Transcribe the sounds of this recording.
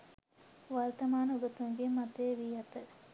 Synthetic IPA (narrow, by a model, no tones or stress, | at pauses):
ʋɐɾt̪ɐmaːnuɡɐt̪uŋɡemɐt̪eːʋiːɦɐt̪ɐ